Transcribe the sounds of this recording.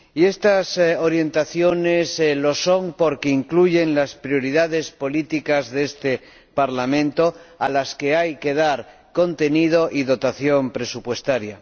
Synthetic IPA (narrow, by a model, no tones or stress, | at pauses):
ie̞st̪aso̞ɾje̞nt̪aθjo̞ne̞slo̞so̞mpo̞ɾke̞iŋkluʝe̞nlaspɾjo̞ɾiðaðe̞spo̞lit̪ikazðest̪e̞ | paɾlamẽ̞nt̪o̞alaske̞ajke̞ð̞aɾ | ko̞nt̪e̞nið̞o̞ʔiðo̞t̪aθjo̞mpɾe̞supwe̞st̪aɾja